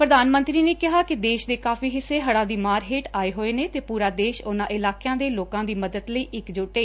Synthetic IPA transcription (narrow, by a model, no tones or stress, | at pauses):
pɾəd̪aːnmə̃nt̪ɾiːneːkɪɦaːkɪd̪eːʃd̪eːkaːfiːɦɪsːeːɦəɽãːd̪iːmaːɾɦeːʈaːeːɦoːeːneːt̪eːpuːɾaːd̪eːʃʊnãːʔɪlaːkejãːd̪eːloːkãːd̪iːməd̪əd̪ləiːʔɪkd͡ʒʊʈeː